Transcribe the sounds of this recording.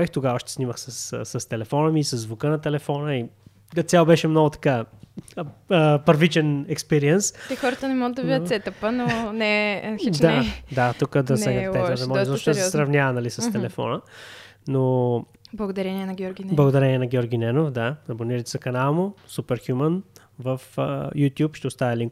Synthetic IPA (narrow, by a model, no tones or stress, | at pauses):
ixt̪oɡavɔʃt̪ɛsniməxsɐssɐst̪ɛlɛfɔnəmiːsɐzːvukənɐt̪ɛlɛfɔnəi | ɡɐsʲalˠbɛʃɛmnɔɡʊt̪ɐ̥ka | əpəɾvit͡ʃɛnɛkspɛɾiɛnsɛxɔɾət̪ənɛmɔɡəd̪ːɐvvid̪ɐt̪sɛt̪əpənonɛiad̪at̪ukəd̪ɐsɛɡ̪ət̪ɛt̪əpd̪mɔzɔɔʃd̪sɛsɾɐvnʲjavɐnɐlisəst̪ɛlɛfɔ̰nə | no | blˠɐɡod̪ɐɾɛniɛnɐɡʲɔɾɡʲnblˠɐɡod̪ɐɾɛnʲiɛnɐɡʲɔɾɡʲinɛnofd̪aɐboniɾəjt̪ɛzɐkɐnalˠmʊsupɛɾxʲjumən | vəfjut̪ʲjupʃt̪ɛʊst̪avɛliŋk